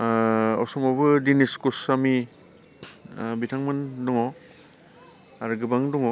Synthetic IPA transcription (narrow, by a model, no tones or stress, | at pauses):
ɔ̰sɔŋɔbɯdiniskusami | bitʰaŋmɯnduŋɔ | aɾɡɯbaŋduŋɔ